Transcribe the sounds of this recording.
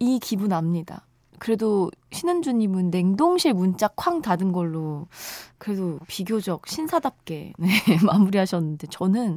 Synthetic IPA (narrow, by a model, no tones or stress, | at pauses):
ikibunamɲida̰ | kɯɾe̞doɕʰinɯnd͡ʑuɲimɯnːe̞ŋdoŋɕʰiɭmunt͡ɕ͈akʰwaŋtadɯnɡʌɭːo | kɯɾe̞dopiɡjod͡ʑʌk̚ɕʰinsʰadap̚k͈e̞ne̞mamuɾiɦaɕʰʌnːɯnde̞t͡ɕʌnɯn